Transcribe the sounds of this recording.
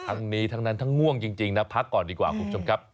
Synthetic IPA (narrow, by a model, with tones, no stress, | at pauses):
t̪ʰa˦˥ŋniː˦˥t̪ʰa˦˥ŋna˦˥nt̪ʰa˦˥ŋːu˥˩əŋt͡ɕi˧ŋt͡ɕi˧ŋna˦˥pʰa˦˥kːɔː˨˩ndiː˧kwa̰ː˨˩kʰu˧˩mt͡ɕʰo˧mkʰa˦˥p̚